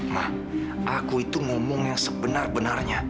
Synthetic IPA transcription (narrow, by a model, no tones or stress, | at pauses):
mah | ʔakuit̪uŋomɔŋjaŋsəbənarbənarɲa